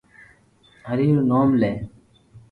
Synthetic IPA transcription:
əɾiːɾnoːmleː

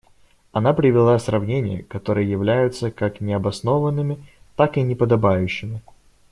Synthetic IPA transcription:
ɐnapɾʲɪvʲɪlˠasʲrɐvnʲenʲɪ̰jə̰kɐt̪o̞ɾɨjəjɪvlʲæjʊt̪səkaknʲɪɐbɐsno̞vənːɨmʲɪ | t̪akɨnʲɪpəd̪ɐbajʉɕːɪmʲɪ

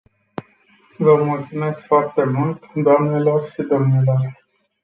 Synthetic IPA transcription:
vəmult̪sume̞skfoart̪e̞mult̪d̪oamnelo̞rʃid̪o̞mnelo̞r

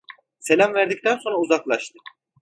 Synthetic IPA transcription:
se̞lʲæmvæɾd̪ic̚t̪ʰænso̞nɾauzaklˠaʃt̪ɯ

